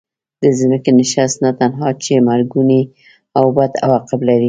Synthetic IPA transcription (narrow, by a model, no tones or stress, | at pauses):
d̪̥əzməkenɪʃast̪nat̪anɦɑt͡ʃemaɾɡuni | awbad̪a̰wɑqɪblaɾi